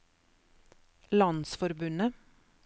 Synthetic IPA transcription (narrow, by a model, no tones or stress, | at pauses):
lɑnsfɔɾbʉnə